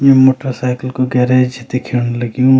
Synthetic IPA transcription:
memoːʈəɾsaɪkəlkoɡɛːɾed͡ʒit̪ekʰenlɐɡijũ

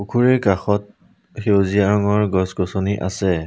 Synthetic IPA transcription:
ukʰuɹɛkaxɔt̚ | xewzijaɹɔŋɔɹɡɔsɡɔsɔniʔa̰sɛ

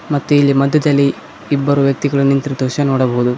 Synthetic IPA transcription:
mɐt̪ːuilːimɐd̪ʱjɐd̪ɐlːiː | bːɐɾuʋjɐk̚t̪iɡɐɭunint̪ɾid̪uʃɐnoːɽɐbɐɦud̪u

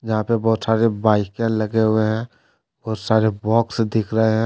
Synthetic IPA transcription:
d͡ʒɐɦãpebɔɦʊt̪saːɾebaːɪkɛ̃nləɡeɦʊeɦɛ̃ | bɔːʊt̪saːɾebɔːksd̪ɪkʰɾəɦeɦɛ̃

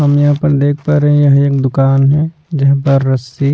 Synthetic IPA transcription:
ɦɐmjɐɦãpɐɾd̪eːk̚ʰpɐɾɦẽjɐɦeːk̚d̪ʊkaːnɦɛ̃ | d͡ʒɐɦpɐɾːɐsi

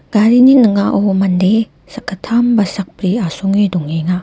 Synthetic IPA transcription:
ɡaɾininɯŋaʔomɐnde | sɐkːatʰambɐsɐk̚pɾiasɔŋidɔŋeŋa

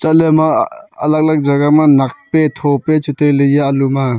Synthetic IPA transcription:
t͡ʃalema̰ːlak̚lak̚zaɡamanak̚petʰopet͡ʃutʰelɯjaːluma

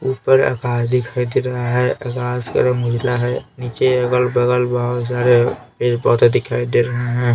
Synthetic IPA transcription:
upəɾə̰kaːsd̪ɪkʰaid̪eɾəɦaɦɛəkaːskə̰ɾəmɡʊd͡ʒlaɦɛnit͡ʃeəɡəlbəɡəlbaɦsaɾeped͡ʒbɔɦt̪d̪ɪkʰaid̪eɾəɦeɦɛ̃

